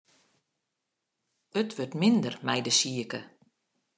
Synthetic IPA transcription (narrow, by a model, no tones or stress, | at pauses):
ətʋørtmɪndərmɛjdəsiəkə